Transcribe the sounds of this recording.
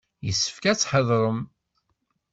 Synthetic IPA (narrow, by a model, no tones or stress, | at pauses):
jəsːə̥fkæt͡sːħəðˤɾˤəm